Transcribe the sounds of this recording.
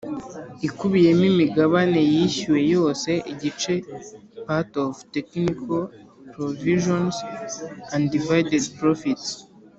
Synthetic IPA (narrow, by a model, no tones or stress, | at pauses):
ikuβije̞mimiɡaβane̞jiçiwe̞jo̞ːse̞ʔiɟit͡ʃe̞patovteknikʰa | pɾoviʒons | ãndivajdedpɾofits